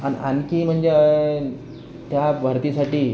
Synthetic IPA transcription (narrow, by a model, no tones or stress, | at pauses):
anḭʔankiːm̤əɳd͡ze | t̪jabʱəɾt̪isaʈiː